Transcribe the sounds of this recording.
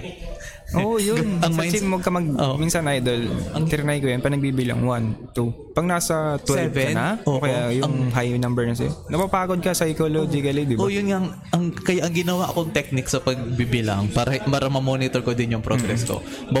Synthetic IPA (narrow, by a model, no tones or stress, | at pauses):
ʔoːʔjʊnɐŋɐjɛwɐɡ̚kɐmɐɡ̚omiːnsɐnʔajd̪o̞lɐŋt̪ɪɾɪnajkojɐnpɐnɐɡ̚biːbɪla̰ŋwant̪u | pɐɡ̚naːsɐt̪wɛɛvɛnnaʔokɐjajʊɐŋɦajnɐmbɛɹnɐs̬ɐ̰jonɐpapaːkod̪̚kɐsɐjkolod͡ʒɪkɐlɪd̪ɪbojʊnŋaʔɐŋ | ʔɐŋkɐjaʔɐŋɡɪnɐwaʔɐkoʔɐŋt̪ɛk̚nɪksɐpɐɡ̚bibɪla̰ŋpaːɾɐpaːɾɐmɐmoːnɪt̪oɹkod̪ɪnjʊŋpɾoɡɡɾɛ̰sko̰ | bɐ